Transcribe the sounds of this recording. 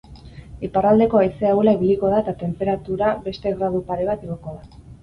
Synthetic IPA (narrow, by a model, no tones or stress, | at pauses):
iparald̪e̞ko̞ajseawlaiβiliko̞ðaet̪at̪e̞mpe̞ɾat̪uɾabe̞st̪e̞ɣɾað̞upaɾe̞β̞at̪iɣo̞ko̞ða